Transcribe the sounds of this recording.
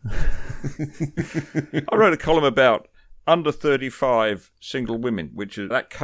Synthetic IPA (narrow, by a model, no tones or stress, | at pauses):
aɪɹəʊɾɨkʰɑlˠə̃məbaʊɾ | ʌ̃ndə˞θɜ˞ɾifaɪv̥sɪ̃ŋɡl̩ˠwɪ̃mɨ̃nwɨt͡ʃɨðɨt̚kʰ